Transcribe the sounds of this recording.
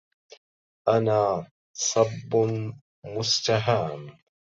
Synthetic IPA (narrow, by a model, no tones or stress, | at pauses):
ʔanaː | sˤɑbːʊ | mʊst̪aɦaːm